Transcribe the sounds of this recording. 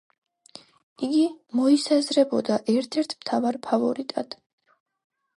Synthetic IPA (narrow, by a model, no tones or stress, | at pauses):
iɡimɔisazɾɛbɔd̪aʔɛɾt̪ʰɛɾt̪ʰmt̪ʰavaɾpʰavɔɾit̪ʼad̪̥